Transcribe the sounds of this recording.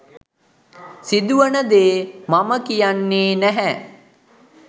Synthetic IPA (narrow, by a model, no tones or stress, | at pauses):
sid̪uʋənəd̪eːmaməkijanːeːnæɦɛ